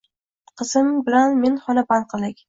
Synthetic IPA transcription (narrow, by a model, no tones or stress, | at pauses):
qʰɨzɪmbɪlanmenχɒnapanqʰɨlˠd̪ɪkʲ